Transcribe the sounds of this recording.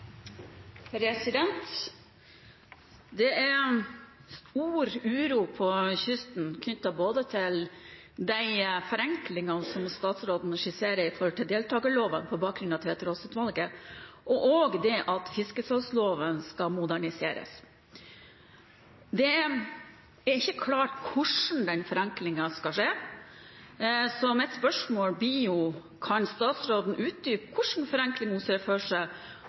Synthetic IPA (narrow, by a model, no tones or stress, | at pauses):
pʰɾɛsɪd̪ɛnt̪ | d̪ɛæ | uːɾʉːɾuːpʰɔçʏst̪n̩kʰnʏt̪ːɑboːd̪ət̪ʰɪl | d̪æɪfɔɾɛŋklɪŋɑnsɔmst̪ɑːt̪sɾoːd̪nəʂɪseːɾəɾɪfɔɾəʈ̪ɪld̪eːlt̪ʰɑːɡəloːʋənpʰɔbɑːk̚ɡɾʉnɑt̪ʰʋɛt̪ɾɔsət̪ʋɑlɡəʔɔʔoɡd̪ɛʔɑt̪fɪskəsɑsloːʋənskɑmʊd̪æɳɪseːɾə̰s | d̪ɛ | æɾɪçːəkʰlɑːʈkʰʊʂn̩d̪ɛnfɔɾɛŋklɪŋɑskɑʂeː | sɔmɛt̪spœʂmoːlbijʊ | kʰɑnst̪ɑːt̪sɾoːd̪n̩ʔʉːt̪̚d̪yːpkʰʊʂn̩fɔɾɛŋklɪŋʊsføːʂə